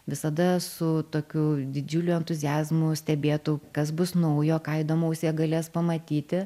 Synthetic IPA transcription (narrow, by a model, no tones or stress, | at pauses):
ʋʲɪsɐd̪ɐsʊt̪oːkʲud̪ʲɪd͡ʒʲʊlʲuɛnt̪ʊzʲɪjæːzmʊsʲt̪ʲɛbʲeːt̪ukɐsbʊsnɐʊjoːkɑːid̪oːmɐʊsʲeɛɡɐlʲeːspɐmɐt̪ʲiːt̪ʲɪ